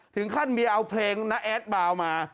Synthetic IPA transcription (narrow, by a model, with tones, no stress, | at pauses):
t̪ʰɯ˩˦ŋkʰa˥˩nmiː˧ʔa˧wpʰleː˧ŋna˦˥ʔɛː˦˥t̪̚baː˧wmaː˧